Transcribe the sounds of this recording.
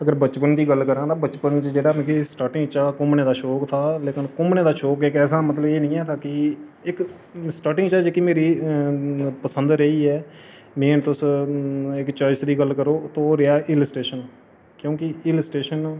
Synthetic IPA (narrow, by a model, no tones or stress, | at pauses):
əɡəɾbət͡ʃpənd̪iːɡəlkəɾãːd̪aːbət͡ʃpənt͡ʃd͡ʒeːɽãːkisʈaːʈɪ̃ŋɡt͡ʃaːkʊmneːd̪aːʃoːkt̪ʰaːleːkɪnkʊmneːd̪aːʃoːkɪkɛːs̬aːmət̪̬ləbeːnĩːɛːt̪ʰaːkɪɪk | sʈaːʈɪ̃ŋt͡ʃaːd͡ʒeːkimeːɾiː | pəsənd̪ɾəiːɛː | mẽːnt̪ʊs | ɪkt͡ʃaːd͡ʒsd̪iːɡəlkəɾoːt̪oːɾɪjaːʔɪləsʈeːʃən | kjõːkɪɪləsʈeːʃən